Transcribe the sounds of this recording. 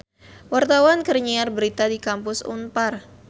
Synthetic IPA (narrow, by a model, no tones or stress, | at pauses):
wart̪awankərɲiarbəɾit̪adikampʊsṵnpar